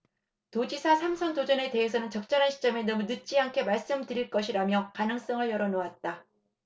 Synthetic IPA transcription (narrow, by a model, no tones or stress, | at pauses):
tod͡ʑisʰasʰamsʰʌntod͡ʑʌne̞te̞ɦes̬ʰʌnɯnt͡ɕʌk̚t͡ɕ͈ʌɾɦanɕʰi̥t͡ɕ͈ʌme̞nʌmunɯt̚t͡ɕ͈iaŋkʰe̞maɭs͈ɯmdɯɾiɭk͈ʌɕʰiɾamjʌkanɯŋs͈ʌŋɯɭjʌɾʌnoat̚t͈a